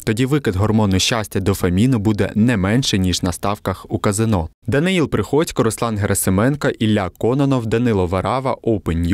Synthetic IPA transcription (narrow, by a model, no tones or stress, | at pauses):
t̪ɔdʲiʋɪkɪd̪ɦɔrmɔnʊʃʲt͡ʃasʲtʲɐd̪ɔfɐmʲinʊbud̪ɛ̰nɛmɛnʃɛnʲiʒnɐst̪ɑwkɐxukɐzɪnɔ | d̪ɐnɪilˠpɾɪxɔt͡sʲkɔɾɔslˠɑnɦeɾʔɐsemɛnkɐʔilʲːakɔnɔnɔwd̪ɐnɪlˠɔʋɐɾɑʋɐʔɔwpenʲj